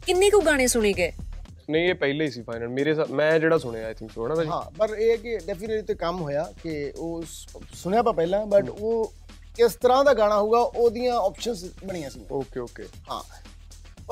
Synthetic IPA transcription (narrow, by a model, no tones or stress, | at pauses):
kɪnːẽːkũːɡaːɽ̃ẽːsʊɽ̃eːɡeː | nə̃ĩeːpɛɪleːiːsiːpʰaːɪnəlmeːɾeːsmɛ̃ːd͡ʒeːɽaːsʊɽ̃eːaːjt̪ʰɪ̃ŋksoɦɛ̃ãːbɛɦã̰ːpəɾeːɛːkɪɖɛːpɪneʈlit̪eːkəmɦoːjaːkɪoː | sʊɽ̃jaːp̬ãːpɛːlãːbəʈoː | kɪst̪əɾãːd̪aːɡaːɽ̃aːɦoːɡaːʔoːd̪ijãːɔːpʃənsbəɽ̃iːãːsiːã̰oːkeːoːkḛːɦã̰ː